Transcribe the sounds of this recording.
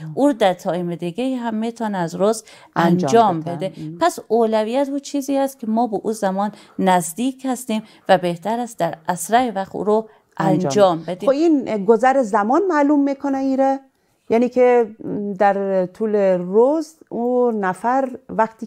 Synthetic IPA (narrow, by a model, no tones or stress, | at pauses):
ʔuːɾd̪æɾt̪ʰɒːimed̪iɡeiɦæmːit̪ʰɒːneæzɾoz | ʔænd͡ʒɒːmbed̪epʰæsoːlæviːjæt̪uːt͡ʃʰiːziːhæst̪̚kʰʲemɒːbeʔuːzæmɒːnː | æzd̪iːkʰhæst̪iːm | væbeht̪æɾæst̪̚d̪æɾæsɾæɾevæxt̪ṵːɾo | ʔænd͡ʒɒːmbed̪ioinɡozæɾezæmɒːnmæːlumːikʰoneiɾɛ | jæniːkʰed̪æɾt̪ʰuːleɾozunæfæɾvæxt̪ʰi